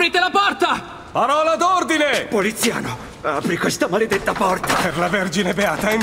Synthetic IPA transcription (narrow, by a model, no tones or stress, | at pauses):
ɾiːt̪elapɔrt̪a | paɾɔːlad̪ord̪inepolit̪sːja̰ːno | apɾikwest̪amaled̪et̪ːapɔrt̪ḁperlaverd͡ʒinebeaːt̪aen